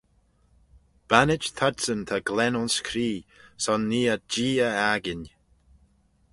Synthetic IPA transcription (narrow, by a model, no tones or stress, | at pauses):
b̥anɪt͡ʃt̪ʰadsənt̪ʰaɡlɛnɔnskʰɾiːsɔnːiːəd͡ʒiːəaɡɪnʲ